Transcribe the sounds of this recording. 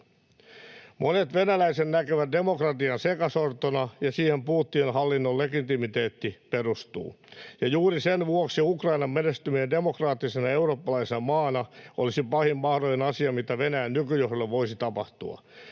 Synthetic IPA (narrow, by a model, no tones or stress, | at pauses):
mʔonet̪ʋe̞nælæisennækøʋæt̪̚de̞mokrɑt̪iɑnsekɑsort̪onɑjɑsiːhempuːt̪ːienɦɑlːinːolːeɡit̪imit̪eːt̪ːiperust̪ṵː | jɑjuːɾisenʋuoksiukrɑinɑmmenest̪ymiende̞mokrɑːt̪ːisenɑe̞uro̞ːpːɑlɑisenɑmɑːnɑʔolisipɑhimːɑhɾojenɑsiɑmit̪æʋe̞næjænnykyjohɾolːeʋʋo̞isit̪ɑpɑ̰ht̪ṵɑ̰